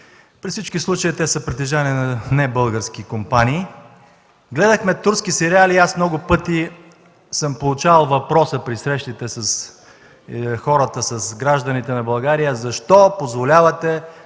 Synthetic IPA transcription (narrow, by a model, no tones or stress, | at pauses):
pɾifsit͡ʃkislˠut͡ʃəit̪ɛsəpɾit̪ɛʒaniənɐnɛbɤlˠɡəɾsk̟ikompaniː | ɡlɛd̪əxmɛt̪uɾskisɛɾialiasmnɔɡʊpɤt̪i | səmpolˠʊt͡ʃavɐlˠvɐpɾɔsəpɾisɾɛʃt̪it̪ɛsɐs | xɔɾət̪əsɐsɡɾaʒd̪ənit̪ɛnɐbɐlˠɡaɾijəzɐʃt̪ɔpozvolʲavɐt̪ɛ